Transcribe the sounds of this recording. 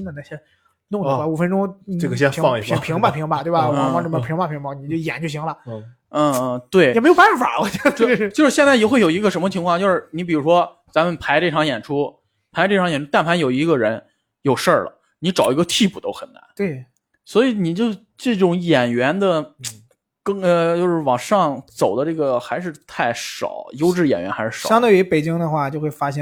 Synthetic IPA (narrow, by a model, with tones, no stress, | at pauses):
i˥nə˧na˥˧˩ɕjɛ˥ | nʊ˥˧ŋ˧˩u˨˩fə˥nʈ͡ʂʊ˥ŋʈ͡ʂɤ˥˩ɡə˩ɕjɛ˥n˧˥fɑ˥˧ŋi˧˩˥pʰi˧˥ŋba˥˧˩pʰi˧˥ŋbɐ˧t̪we˥˩ɪ˩ba˨˩˧ɑ˥˧ʈ͡ʂə˥˩ə˧˩pʰi˧˥ŋba˥˩pʰi˧˥ŋba˧˩ni˨˩t͡ɕjo˥˩ʊjɛ̰˨˩nt͡ɕo˥˩ʊɕ̬i˧˥ŋlə˧˩˥ | t̪we˥˩ɪ˨˩me˧˥ɪo˧˨˩bpa˥˩˥fa̰˨˩wɔ˧˥˩ɛ˥t͡ɕo˥˧˥ɻt͡ɕjo˥˧ʂɻ̩˥ɕjɛ˥˧nt͡sa˥˩ɪjɛ˨˩xwe˥˩jo˨˩i˧˥ɡə˧˩ʂmə˧t͡ɕʰi˧˥ŋʰwɑ˥˧ŋt͡ɕjʂɻ̩˥˩ni˧˥pi˨˩ɻu˧˥ʂwɔ˥ | t͡sa˧˥mə˧˨npʰa˧˥ɪʈ͡ʂɤ˥˩ʈ͡ʂʰɑ˧˥ŋjɛ˨˩nʈ͡ʂʰu˥ | pʰa˧˥ɪʈ͡ʂɤ˥˩ʈ͡ʂʰɑ˧˥ŋjɛ˨˩ʈ͡ʂʰu˥t̪a˥˩npʰa˧˥njo˨˩ʊi˧˥ɡə˧ɻə˧˥n | jo˨˩ʊʂə˞˥˩lə̰˩ | ni˧˥ʈ͡ʂɑ˨˩ʊi˧˥ɡə˧t̪ʰi˥˧pu˨˩t̪o˥ʊxə˨˩na̰˧˥nt̪we˥˩ | swɔ˧˥i˧˥ni˨˩t͡ɕjo˥˧ʊ | ʈ͡ʂɤ˥˩ʈ͡ʂʊ˧˥ŋjɛ˨˩nɥɛ˧˥nd̪ə˧ | kɤ˥˩ŋə˧t͡ɕjo˥˧ʊʂɻ̩˥˩wɑ˨˩ŋʂɑ˥˧ŋt͡so˨˩ʊd̪ə˦ʈ͡ʂɤ˥˩ɡə˩xa˧˥ɪʂ̬ɻ̩˥˧t̪ʰa˥˩ɪʂɑ̰˨˩˦ʊjo˥ʊʈ͡ʂɻ̩˥˩jɛ̰˨˩njɥɛ̰˧˥nxa˧˥ɪʂɻ̩˥˩ʂɑ˥ŋt̪o˥˩i˧˥pe˨˩ɪt͡ɕi˥ŋd̪ə˧xwa˥˧t͡ɕjo˥˧ʊxwe˥˩ɪfa˥ɕjɛ˥˩